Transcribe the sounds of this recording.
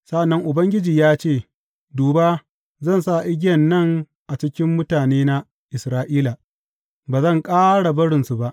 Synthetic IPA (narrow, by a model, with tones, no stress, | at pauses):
sa˦ʔa˨nːɐ˦ŋʔʊ˨bɐ˦ŋɡʲɪ˦d͡ʒiː˨jaː˦t͡ʃeː˦˨ | duː˨baː˦ | zɐ˦˨nsa˦˨ʔɪ˦ɡʲɪ˦jɐ˨nːɐ˦˨ŋ | ʔa˨t͡ʃɪ˦kʲɪ˦mːʊ˦taː˨neː˦na˦ | ʔɪ˨sɾaː˦ʔiː˦la˨ | baː˨zɐ˦˨ŋkʼaː˦ɽa˨bɐ˦ɽɪ˨nsu˨ba˦ʔ